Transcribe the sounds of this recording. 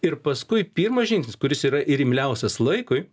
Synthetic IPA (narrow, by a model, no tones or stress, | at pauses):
ɪɾpɐskʊɪpʲiːɾmɐsʒʲɪŋksʲnʲɪskʊɾʲɪsiːɾɐʔɪɾʲɪmʲlʲɛʊsʲɛslˠɐɪkʊɪ